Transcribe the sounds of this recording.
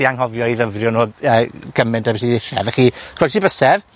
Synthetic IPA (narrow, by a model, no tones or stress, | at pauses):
iaŋɦɔvjɔiðəvrjɔnoːðəːɡ̥əmɪndabɛsiðɪɬɛ̰vɛχikʰɛsibəsɛv